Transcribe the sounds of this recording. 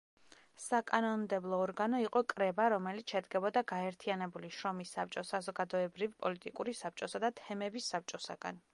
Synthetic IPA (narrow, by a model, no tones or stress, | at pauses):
sakʼanɔnmd̪ɛblˠɔːɾɡanɔiqʼɔkʼɾɛbaɾɔmɛlit̪sʰʃɛd̪ɡɛbɔd̪aɡaɛɾt̪ʰianɛbuliʃɾɔmisːap̚t͡ʃʼɔsazɔɡad̪ɔɛbɾivpʼɔlit̪ʼikʼuɾisap̚t͡ʃʼɔsad̪at̪ʰɛmɛbisːap̚t͡ʃʼɔsa̰ɡ̥a̰n